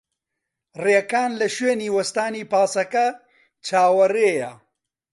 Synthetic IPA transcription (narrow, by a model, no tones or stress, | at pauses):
reːkaːnlɐʃweːniːwɐst̪aːniːpaːsɐkɐ | t͡ʃʰaːwɐreːjɐ